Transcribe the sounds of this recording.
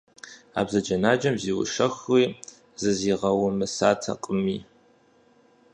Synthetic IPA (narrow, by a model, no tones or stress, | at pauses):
a̰ːbzɐd͡ʒɐnaːd͡ʒɐmziːwʊ̰ʃɐxiː | zɨziːʁɐwʊmɨsaːtʰɐ̰qʼəmiː